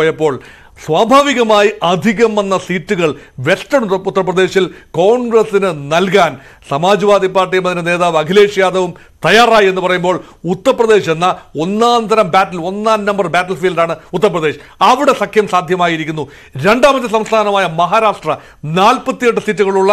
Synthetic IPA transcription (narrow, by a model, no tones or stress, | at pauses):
jɐpːo̞ːɭ | sʋaːbʱaːʋiɣɐmaːjiʔɐd̪ʱiɣɐmɐnːɐsiːtːuɣɐɭʋe̞sʈɐɳut̪ːɐrɐprɐd̪e̞ːɕilko̞ːɳɡrɐsinɨnɐlkaːn | sɐmaːd͡ʑɐʋaːd̪ipːaːrʈːijɐmɐðinene̞ːðaːʋɐkʰile̞ːʂjaːd̪ɐʋum | t̪ɐjaːraːjie̞nːupɐrɐjumbo̞ːɭ | ut̪ːɐrɐprɐd̪e̞ːɕenːɐo̞nːaːnd̪ɐɾɐmbaːtːɐlo̞nːaːnnɐmbɐrbaːtːɐlfiːlɖaːɳɨut̪ːɐrɐprɐðe̞ːɕ | ɐʋiɽe̞sɐkʰjɐmsaːd̪ʱjɐmaːjiɾikʲːunːu | ɾe̞ɳɖaːmɐt̪ːis̬ɐmst̪ʰaːnɐmaːjɐmɐɦaːɾaːʂʈrɐ | naːlpɐt̪ːijeʈːɨsiːtːuɣɐɭuɭːɐ